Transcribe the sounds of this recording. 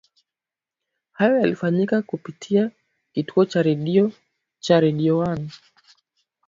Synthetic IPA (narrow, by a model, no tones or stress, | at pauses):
hajɔjalifaɲikakupitʰia | kituɔt͡ʃaɾɛɗiɔ | t͡ʃaɾɛɗiɔwan